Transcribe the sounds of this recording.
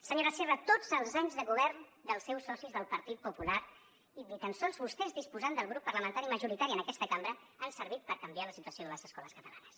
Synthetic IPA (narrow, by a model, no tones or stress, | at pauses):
səɲoɾəserət̪od͡zəlˠzaɲzðəɣuβ̞ɛɾnd̪əlˠsɛwsɔsizðəlˠpəɾt̪it̪̚pupulaɾ | iðit̪ənsonzβust̪ɛzðispuzand̪əlˠɣ̞ɾupːərləmənt̪aɾiməʒuɾit̪aɾiənəkɛst̪əkambɾə | ansəɾβit̪̚pəɾkəmbialəsit̪uəsioðələzəskɔləskət̪əla̰nəs